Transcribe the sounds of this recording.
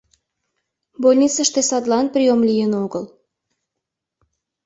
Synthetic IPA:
bolʲnʲit͡səʃt̪esɑd̪lɑnprʲiomlʲijənoɡəl

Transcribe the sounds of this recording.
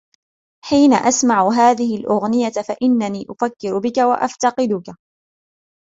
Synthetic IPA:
ħiːnaʔasmaʕʊɦaːðɪhɪlʔʊɣnɪjatfaʔɪnːaniːʔʊfakːɪɾʊbɪkawa̰ʔa̰ft̪ɑqɨd̪ʊka

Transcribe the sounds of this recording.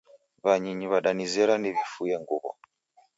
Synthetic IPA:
βaɲiɲiβaɗanizɛɾanɛvifujɛŋɡuβɔ̰

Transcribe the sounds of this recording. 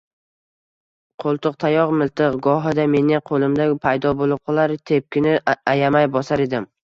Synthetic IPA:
qʰolˠt̪ʰʊq̚t̪ʰajɒqmɪlt̪ʰɨqɡɒɦɪd̪ame̞nɪqʰolˠɪmd̪apʰajd̪ɒbolˠɪp̚qʰɨlˠaɾt̪ʰep̚kʲɪnɪajamajbɒsaɾe̞d̪ɪm

